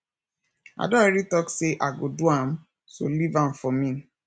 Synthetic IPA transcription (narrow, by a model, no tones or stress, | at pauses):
a̰dɔ̃ɛɾitɔkseʔaɡoduam̩ | solivãm̩fɔmĩ